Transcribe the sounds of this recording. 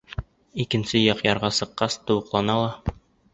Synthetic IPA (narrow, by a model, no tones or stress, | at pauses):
ikɘ̆nsɘjɑqjɑɾʁɑsɤ̆qːɑst̪ŏwɤ̆qlˠɑnɑlˠɑ